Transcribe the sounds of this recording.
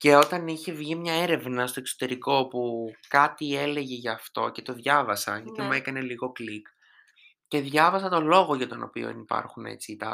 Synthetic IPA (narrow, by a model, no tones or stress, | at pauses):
ce̞o̞t̪ɐniçe̞vʝimɲɐe̞ɾe̞vnɐst̪o̞e̞kso̞̥t̪e̞ɾiko̞pukɐt̪ie̞le̞ʝe̞ʝɐːft̪o̞̰ce̞t̪o̞ðʝɐvɐsɐ̰ʝɐt̪imue̞kɐne̞liɣo̞klik | ce̞ðʝɐvɐsɐt̪o̞lo̞ɣo̞ʝɐt̪o̞no̞̰pio̰nipɐ̰ɾxune̞̰t͡sit̪ɐ